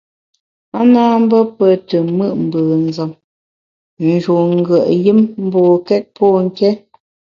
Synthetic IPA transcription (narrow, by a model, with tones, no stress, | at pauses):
a˦na˦m̩˦bə˦pə˨tə˨mɨ˦˨ʔm̩˨bəː˨n̩˨zə˨m | n̩˨d͡ʒu˨ŋ̩˦ɡə˨ʔjɨ˦mm̩˦bɔː˨kɛ˦t̚pʰɔ˦˨ŋ̩˨kɛ˦